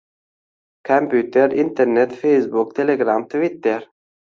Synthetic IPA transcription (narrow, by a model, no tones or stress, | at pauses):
kʰampʰʉːt̪əɾɪnt̪əɾnɛt̪fɛjsbuk̚t̪ʰɛleɡɾamt̪ʰvɪt̪ːəɾ